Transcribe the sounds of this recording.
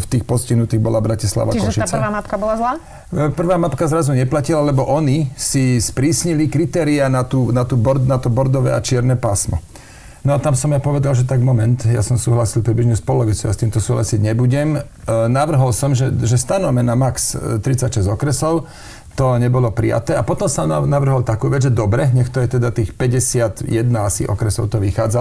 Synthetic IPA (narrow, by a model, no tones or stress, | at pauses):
ft̪iːxpɔsciɦnut̪iːɣbɔlabɾacisla̰ʋakɔʃiat͡saaːmapkabɔlazlaː | pr̩ʋaːmapkazɾazuɲɛplacilalɛbɔʔɔnisispɾiːsɲilikɾit̪ɛːɾianat̪uːnat̪uːbɔɾnat̪ɔbɔɾd̪ɔʋɛ̰ːat͡ʃɪɛɾnɛːpasmɔ̰ | nɔat̪amsɔmjapɔʋɛd̪alʒɛt̪aɡmɔmɛnt̪ja̰sɔmsuːɦlasilˠpɾibliʒɲuspɔlɔʋit͡suast̪iːmt̪ɔsuːɦla̰siɟɲɛbuɟɛm | naʋr̩ɦɔlsɔmʒɛʒɛst̪anɔmɛnamakst̪ɾit͡sacʃɛzɔkɾɛsɔʊ | t̪ɔɲɛbɔlɔpɾḭja̰t̪ɛːapɔt̪ɔmsanaʋr̩ɦɔlt̪akuːʋɛd͡zʒɛd̪ɔbɾɛɲɛxt̪ɔjɛt̪ɛd̪at̪iːxpɛɟɛsɪat̪jɛd̪naasḭʔɔ̰kɾɛsɔ̰ʊt̪ɔʋixaːd͡za